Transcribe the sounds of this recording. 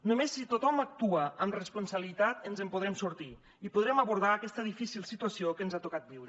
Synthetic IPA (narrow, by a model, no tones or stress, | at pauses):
numesːit̪ot̪ɔmak̚t̪uəːmrespunsaβəlit̪at̪ənzəmpuð̞ɾɛmsuɾt̪i | ipuð̞ɾɛməβuɾð̞aːkɛst̪əðifisilˠsit̪uasiokənzat̪ukat̪̚biwɾə